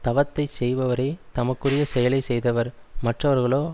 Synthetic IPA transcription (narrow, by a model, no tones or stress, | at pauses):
t̪ɐʋɐt̪ːɐɪsɛjʋɐʋɐɾɐɪt̪ɐmɐkːɯrɪjɐsɛjɐlɐɪsɛjðɐʋɐɾ | mɐʈrɐʋɐɾɣɐɭoː